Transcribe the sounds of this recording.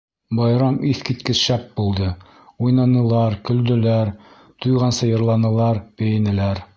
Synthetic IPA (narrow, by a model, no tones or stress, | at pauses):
bɑjɾɑmiθkit̪kɘʃæp̚bulˠd̪ɤ | ujnɑnɤ̆lˠɑɾkɵ̆ld̪ɵ̆læɾ | t̪ujʁɑnsɤjɤ̆ɾlˠɑnɤ̆lˠɑɾpɘ̆jɘ̆nɘ̆læɾ